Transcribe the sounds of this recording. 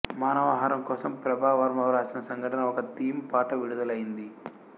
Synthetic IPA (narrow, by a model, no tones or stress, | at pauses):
maːnɐʋɐɦaːɾɐmkɔːsɐmpɾɐbʱaːʋɐɾmɐʋɐɾaːsɐnɐsɐŋɡʱɐʈɐnɐɔkɐt̪iːmpaːʈɐʋiɽud̪ɐlɐjind̪i